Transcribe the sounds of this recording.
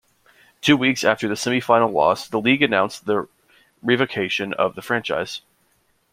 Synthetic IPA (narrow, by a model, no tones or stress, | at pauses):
tʰʉwiksæftə˞ðɨsɛmifãɪ̃nl̩ˠlɔ̰sðəliɡɨnãʊ̃nsðə | ɹivoʊkʰeɪʃɨ̃nʌ̰vðəfɹæ̃nt͡ʃa̰ɪz̥